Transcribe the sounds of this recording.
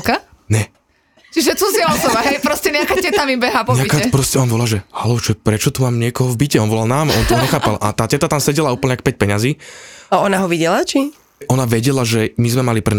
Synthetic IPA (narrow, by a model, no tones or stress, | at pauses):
ka | ɲɛ | t͡ʃiʒɛt͡suzɪaɔsɔbaɦɛjpɾɔscɛɲɛakaːtɛt̪amimbɛɦapɔɲaikapɾɔscɛɔnaʋɔlaʒɛhalɔʊt͡ʃɛpɾɛt͡ʃɔt̪umaːmɲɪɛkɔɦɔvbicɛɔnʋɔlalnaːmʔɔnt̪ɔɲɲɛxaːpalʔa̰t̪aːcɛt̪at̪amsɛɟɛlauːpl̩ɲɛakpɛc̚pɛɲaziːaɔnaɦɔʋiɟɛlat͡ʃi | ʔɔnaʋɛɟɛlaʒɛmizmɛmalipɾɛ